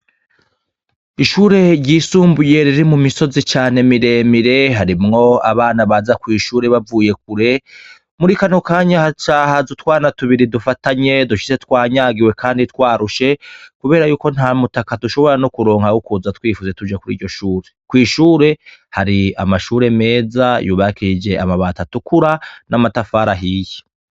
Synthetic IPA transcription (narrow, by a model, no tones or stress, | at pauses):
iʃuːɾe̞ɾɟiːsuːmbuje̞ɾiɾimumiso̞zit͡ʃaːne̞miɾe̞miɾe̞ɦaɾimŋo̞a̰βaːnaβaːzakwiːʃuːɾe̞βavuːje̞k̚uɾe̞ | muɾikanokaːɲahat͡ʃaːhazutwaːnatuβiɾidufataɲe̞duʃi̥se̞twaːɲaːɡiwe̞kʰaːndit̪waːɾuʃe̞kuβe̞ːɾajuːko̞n̥haːmutakaduʃo̞βo̞ɾanokuɾo̞ːŋ̥hawukuzatwiːfuze̞tud͡ʒakuɾḭːɟɟo̞ʃuːɾe̞̥kwiːʃuːɾe̞haɾia̰maʃuːɾe̞me̞ːzajṵːβakid͡ʒe̞amaβatatukʰuɾanamatafaːɾaɦiːje̥